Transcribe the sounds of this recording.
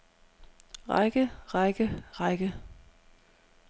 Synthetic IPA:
ʁa̰ɪɡ̥əʁɑɡ̥əʁɑɪɡ̥ə

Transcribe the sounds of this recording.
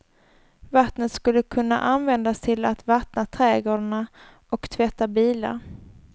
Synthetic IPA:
vat̪nət̪skɵlːəkʰɵnːa̰ʔanvɛnd̪ast̪ʰɪlat̪vat̪nat̪ʰɾɛːɡoːɖəɳa | ʔɔkt̪ʰvɛt̪ːabiːla̰ɾ

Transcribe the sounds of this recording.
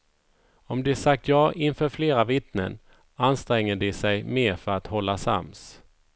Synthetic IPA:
ɔmd̪ɛsak̚t̪jɑːʔɪnfœːɾfleːɾavɪt̪nə̰n | anst̪ɾɛŋːəɖɪsɛjmeːɾfœɾat̪hɔlːasa̰ms

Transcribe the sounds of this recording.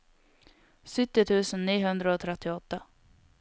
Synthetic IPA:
sʏt̪ːɪt̪ʰʉ̟ːsənːiːɦɵnd̪ɾaɔt̪ʰɾɛt̪ːɪɔt̪ːa

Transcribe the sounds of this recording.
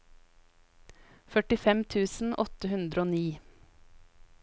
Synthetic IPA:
fœʈɪfɛmt̪ʰʉːsn̩ʔɔt̪əhʉnd̪ɾəoːniː

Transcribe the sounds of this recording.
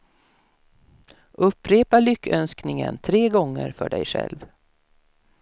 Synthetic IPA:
ʔɵpːɾeːpaɭʏkːœnsknɪŋənt̪ʰɾeːɡɔŋːəɾfœɖɛjɧɛ̰lv

